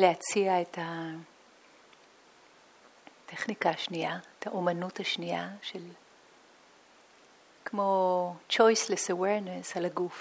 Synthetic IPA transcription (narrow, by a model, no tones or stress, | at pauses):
leat͡siaeta | tʰeχnikaːʃniaetʰaʔomanuthaʃniaʃel | kmo̞t͡ʃo̞jslesawɛɾnesalaɡuf